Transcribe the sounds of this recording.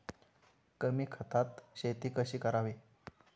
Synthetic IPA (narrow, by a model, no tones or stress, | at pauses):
kəmiːkʰət̪at̪ɕet̪iːkəɕiːkəɾaʋi